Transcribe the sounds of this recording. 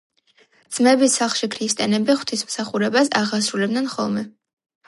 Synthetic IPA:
d̪z̥mɛbisaχʃikʰɾist̪ʼɛnɛbiχw̥t̪ʰismsaχuɾɛbasaʁasɾulɛb̚d̪nɛnχɔ̰lˠmɛ

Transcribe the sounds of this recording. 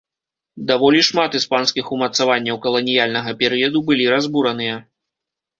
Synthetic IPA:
d̪avɔlʲiʂmat̪ɨspanskʲixumɐt̪savanʲːɐwkɐlˠɐnʲijalʲnɐɣɐpʲɛɾɨjɐd̪ubɨlʲiɾazbuɾɐn̪ɨjɐ

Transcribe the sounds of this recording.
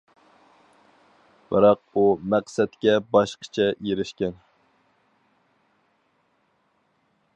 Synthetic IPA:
b̥ɨɾɑq̚umæqsɛt̪̚kʲɛbɑʃqʰə̥t͡ʃʰɛjeɾɪʃkʲɛn

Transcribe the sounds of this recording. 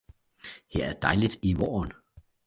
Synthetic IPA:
hḛɐæɐd̥ɑ̈ɪlid̥iʋɒ̰ːn

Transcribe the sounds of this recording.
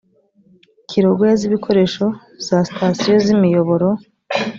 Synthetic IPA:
kʰiɾoɡwoeziβikʰo̞ɾe̞ʃo̞ | z̥asi̥tʰasijo̞zimijo̞βo̞ɾo̞

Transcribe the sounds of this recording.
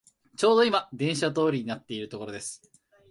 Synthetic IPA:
t͡ɕo̞ːd̪o̞imad̪ẽ̞ɰ̃ɕat̪̬o̞ːɾʲiɲ̟inat̪ːe̞iɾɯ̟t̪o̞ko̞ɾo̞d̪e̞sɨ̥

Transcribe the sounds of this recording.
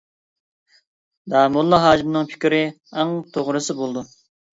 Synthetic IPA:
d̪ɑːmulˠːɑɦɑːd͡ʒimnɨŋpʰɪ̥kʲɾɪ | æŋt̪ʰoʁɾɨsɨbolˠd̪u

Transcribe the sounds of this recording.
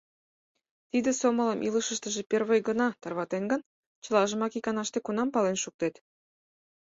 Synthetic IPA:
t̪id̪ĕsomə̆ləmʔiləʃə̆ʃt̪ə̆ʒĕperβəjɡə̆nɑt̪ɑrβɑt̪enɡə̆n | t͡ɕə̆lɑʒə̆mɑkikɑnɑʃt̪ekunɑmpɑlenʃuk̚t̪et̪

